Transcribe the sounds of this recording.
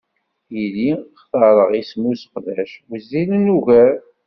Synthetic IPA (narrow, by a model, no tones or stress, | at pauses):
jiliχθɑɾˤəʁismusəqðæʃwəzːilənuʝæɾ